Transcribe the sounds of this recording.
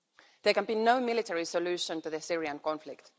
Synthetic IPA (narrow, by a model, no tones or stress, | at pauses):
ðəkæ̃nbiːnoʊmɪlɪtʰɛɹisɔlʉːʃə̃ntɨðəsɪɹiə̃nkɔ̃nflɪkt